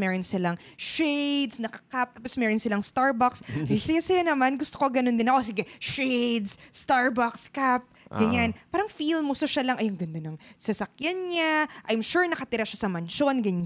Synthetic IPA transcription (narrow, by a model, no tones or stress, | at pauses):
mɛːɾonsɪlaŋ | ʃejd̪snɐkɐkap̚t̪aːposmɛːɾonsɪlaŋst̪aɹbaksɐjsɐjasɐjanɐmanɡʊst̪okoɡɐnond̪ɪnɐʔos̬iɡɛʃejd̪sst̪aɹbakskap̚ɡɐɲanpaːɾɐŋfilmusoʃalɐŋʔɐjɐŋɡɐnd̪onɐŋsɐsɐkjanɲaʔɐjmʃuɹnɐkɐt̪iɾaʃasɐmɐnʃonɡɐɲ